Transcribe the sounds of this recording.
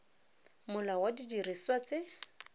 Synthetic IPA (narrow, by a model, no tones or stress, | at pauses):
mʊlawadidiriswat͡sɪ